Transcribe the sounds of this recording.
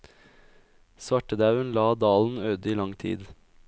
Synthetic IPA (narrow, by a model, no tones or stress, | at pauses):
sʋɑʈəd̪ɑʉənlɑːd̪ɑːln̩øːd̪əiːlɑŋt̪ʰḭːd̪